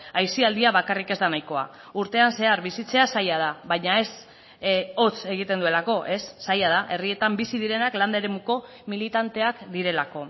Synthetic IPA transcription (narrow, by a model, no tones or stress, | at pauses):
ajsiald̪iaβakarike̞zd̪anajko̞a̰ | uɾt̪e̞anse̞aɾβisit͡se̞asajað̞aβajɲae̞s | o̞t͡se̞ɣit̪e̞nd̪ue̞lako̞ʔe̞sːajað̞aʔe̞rie̞t̪ambisiðiɾe̞nakland̪aeɾe̞muko̞ | milit̪ant̪e̞akd̪iɾe̞lako̞